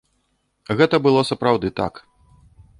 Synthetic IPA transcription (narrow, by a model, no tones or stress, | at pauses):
ɣɛt̪ɐbɨlˠɔsɐpɾawd̪ɨt̪a̰k